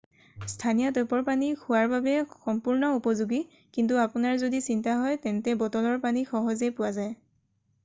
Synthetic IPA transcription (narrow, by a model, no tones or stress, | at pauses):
stʰanijɔtɔpɔɹpanikʰʊwaɹbabɛxɔmpuɹnɔupɔzuɡi | kintuapʊnaɹzodisintaɦɔjtɛntɛbɔtɔlɔɹpanixɔɦɔzepʊwazaj